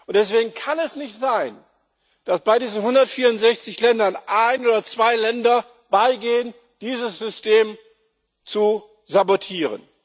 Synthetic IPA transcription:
ʔʊntd̥ɛsv̥eːɡŋ̩kʰanɛsnɪçtz̥aɪn | d̥asb̥aɪdiːzn̩ɦʊndɐtfiːɐʊntz̥ɛçt͡sɪçlɛndɐnʔaɪnoːdɐt͡sv̥aɪlɛndɐ | b̥aɪɡeːən | d̥iːzəsz̥ʏstʰeːm | t͡su | zabotʰiːʁə̰n

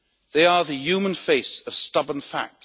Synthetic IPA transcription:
ðeɪəðɨjʉːmə̃nfeɪsəv̥stʌbə̃nfa̰k̚t

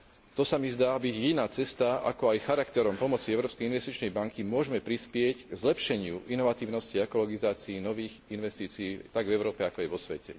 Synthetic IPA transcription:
t̪ɔsamizd̪aːbiɟinaːt͡sɛst̪aa̰kɔajxaɾakt̪ɛɾɔmpɔmɔt͡siɛʊɾɔːpskɛjinʋɛst̪it͡ʃnɛjbaŋkimʊɔʒmɛpɾispɪɛcɡzlɛpʃɛɲɪuʔinɔʋat̪iːʊnɔsciɛkɔlɔɡizaːt͡siːnɔʋiːɣinʋɛst̪iːt͡siːt̪aɡvɛʊɾɔːpɛakɔajʋɔsʋɛ̰cɛ̰

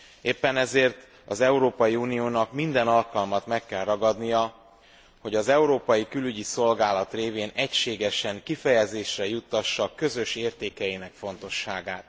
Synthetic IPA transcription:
eːpːɛnɛzeːrt̪ | ɒzɛuɾoːpɒjiuːnijoːnɒkmind̪ɛnɒlkɒlmɒt̪mɛkːɛlrɒɡɒd̪nijɒ | ho̞ɟɒzɛuɾoːpɒjikylyɟiso̞lɡaːlɒt̪reːveːnɛcʃeːɡɛʃɛŋkifɛjɛzeːʃrɛjut̪ːɒʃːɒkø̞zø̞ʃeːrt̪eːkɛjinɛkfo̞n̪t̪o̞ʃːaːɡaːt̪

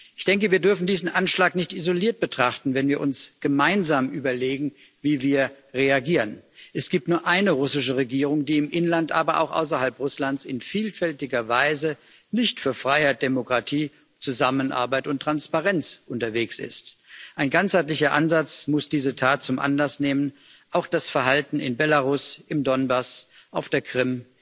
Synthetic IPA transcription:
ʔɪçd̥ɛŋkəviːɐdʏɐfn̩diːzn̩ʔanʃlaːknɪçtizoliːɐt̚b̥ətʁ̥aχtn̩vɛnviːɐʔʊnsɡ̥əmaɪnzaːmʔyːbɐleːɡŋ̩ | viːviːɐ | ʁeaɡiːʁənʔɛsɡ̥iːp̚tnuːɐʔaɪnəʁʊsɪʃəʁeɡiːʁ̞ʊŋdiːɪmʔɪnlantʔa̰ːbɐʔa̰ʊxʔa̰ʊs̬ɐhalpʁʊslant͡sɪnfiːlfɛltɪɡɐvaɪzə | nɪçtfyːɐfʁ̥aɪhaɪt̚d̥emokʁ̥atʰiː | t͡suzamənʔa̰ɐbaɪtʊntʁ̥anspaʁɛnt͡sʔʊntɐveːksɪ̰stʔaɪnɡant͡shaɪtlɪçɐʔanzat͡smʊsd̥iːzətʰaːt̚t͡sʊmʔa̰nlasneːmən | ʔaʊxd̥asfɛɐɦaltn̩ɪ̰nbelaʁʊsɪmdɔnbasʔaʊfd̥eːɐkʁ̥ɪm

